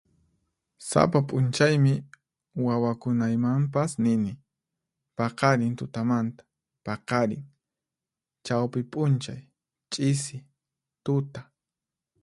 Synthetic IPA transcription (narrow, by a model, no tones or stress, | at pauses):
sa̰papʼʊnt͡ʃajmɪ | wawakʊnajmampasnɪnɪ | pɑqɑɾɪnt̪ʊt̪amant̪ḁ | pɑqɑɾɪ̰ŋ | t͡ʃawpɪpʼʊnt͡ʃaj | t͡ʃʼɪsɪ | t̪ʊt̪a